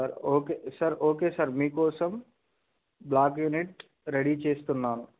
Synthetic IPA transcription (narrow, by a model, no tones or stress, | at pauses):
ɐɾoːkesɐɾoːkeːsɐɾmiːkoːsɐm | blaːk̬juniʈ | ɾeɽit͡ʃeːst̪unːaːnu